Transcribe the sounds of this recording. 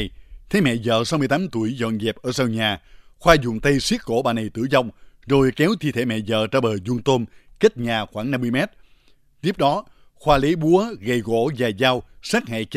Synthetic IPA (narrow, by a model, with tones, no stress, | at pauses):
jt̪ʰe˨˦mɛ̰˧˨zə̰ː˧˨sa˧wmɨ˧ət̪aː˨˦mt̪u˧˩əjzɔ̰˧˨nzɛ˨˩p̚ʔəː˧˩saː˧wɲaː˨˩xwaː˧zʊ̰˧˨ŋ͡mt̪ə˧jswi˦˥ət̚ko̰˧˩ɓaː˨˩na˨˩jt̪ɨ̰˧˩zɔ˧˩wŋ͡mzo˨˩jkɛ˨˦wt̪ʰḭ˧˨t̪ʰe˧˩˦mɛ̰˧˨zə̰ː˧˨t͡ɕaː˧ɓəː˨˩zu˧ŋt̪o˧mke˦˥t̚ɲaː˨˩xwaː˧˩ŋna˧mːɨ˧jmɛ˦˥t̚ | t̪i˦˥əp̚ɗɔ˨˦ | xwaː˧le˨˦ɓu˨˦əɣə˨˩jɣo̰˧˥zaː˨˩zaː˧wsɛː˦˥k̚hɛ̰˧˨t͡ɕ